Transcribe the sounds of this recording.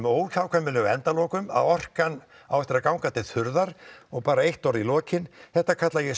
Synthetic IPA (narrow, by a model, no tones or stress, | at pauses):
moːwtaːwkʰvɛmːɪlɛɣɛnt̪alɔːkʏma̰ðɔr̥kan | a̰wɛht̪ɪɾakawŋkat̪ʰɪlθʏɾðaɾɔɣpaːɾaejht̪ɔɾðilɔːcɪnθɛht̪ːakʰat̪lajɛ